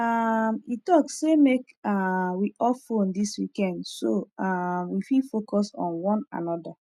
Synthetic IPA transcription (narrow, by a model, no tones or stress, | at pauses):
amitɔksemek | awiʔɔfõndiswikɛ̃ndsoamwifilfokɔsɔ̰̃nwɔ̃na̰nɔda